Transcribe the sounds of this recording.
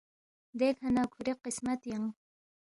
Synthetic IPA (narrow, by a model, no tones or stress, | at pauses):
d̪ekʰanakʰʊɾeqɪsmat̪jaŋ